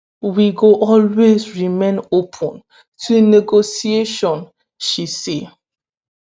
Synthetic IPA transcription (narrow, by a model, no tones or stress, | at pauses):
wiɡoʔɔlwezɹimẽnopʰɔ̃n | tʰunɛɡosieʃɔ̃n | ʃise